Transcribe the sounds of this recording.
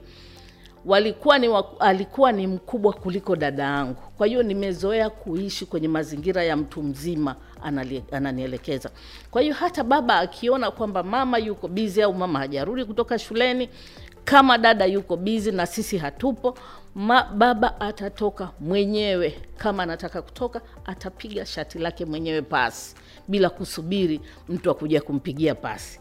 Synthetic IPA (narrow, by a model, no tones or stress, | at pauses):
walikuwanwaalikuwanim̩kuɓwakulikɔɗaɗajaŋɡukwahiɔnimɛzɔɛakuiʃikwɛɲɛmaziŋɡiɾajam̩tum̩zima | a̰ananiɛlɛkɛza̰ | kwahiɔhataɓaɓaːkʰiɔnakwambamamajukɔɓiziaumamahaʄaɾuɗik̬utɔkaʃulɛni | kamaɗaɗajukɔɓizinasisiɦatupɔ | maɓaɓaʔatatɔkamwɛɲɛwɛkʰamaːnatakaku̥tʰɔka | atapiɠaʃatilakɛmwɛɲɛwɛpa̰si̥ | ɓilakusuɓiɾi | m̩tuakuʄakum̩piɠiapa̰si̥